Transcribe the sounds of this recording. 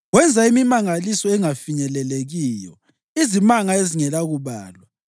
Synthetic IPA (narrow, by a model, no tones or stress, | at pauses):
wɛnd͡zʱaimimaŋalisɔɛŋafiɲɛlɛleɣiːjɔ̰ | izimaŋaeziŋɛlaɣuβa̰ːlwa